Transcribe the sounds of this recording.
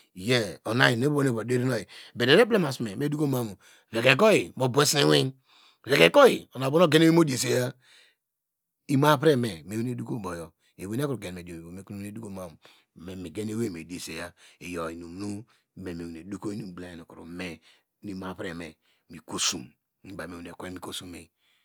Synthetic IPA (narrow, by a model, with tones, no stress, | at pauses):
je˦o˨na˦ji˨ne˦bo˦ne˦˨bde˦ɾi˦no˦ji˨be˨de˨ɾe˦ble˦ma˨sme˨me˦du˦ko˦ma˦mu˨ | ve˨ke˨ko˦ji˨bo˨be˦si˦wi˦n | ve˨ke˨˦ko˦i˨o˨na˨bo˦no˦ɡe˦ne˦we˦mo˦di˦e˨se˦ja˦ | i˦ma˦pɾe˦me˨me˨we˦ne˦du˦ko˦˨bo˨jɔ˨ | e˨we˦ne˦kɾu˨ɡe˨n˨me˨do˨o˨me˨˦ku˦e˦du˦ko˦ma˦m˨ | me˨mi˨ɡe˦ne˦we˦˨me˨di˨e˨se˨ja˦e˨jo˨i˨nu˨m˨nu˦ | me˨me˨we˨ne˨du˦ko˦i˦nu˦˨˦bla˦˨no˨ku˨ɾṵ˨me˨ | ni˨ma˦˨pɾḛ˨me˨ | mi˨ko˨su˨m˨ | ba˨me˨we˨ne˨ke˦mi˨ko˨su˦me˨